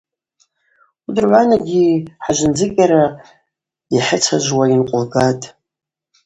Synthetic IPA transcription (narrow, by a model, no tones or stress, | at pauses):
udɨrʕʷanaɡʲiħaʒʷɪnd͡zɨkʲʼaɾa | jaħɪt͡sʰaʒʷwainqʷʼʊlɡatʼ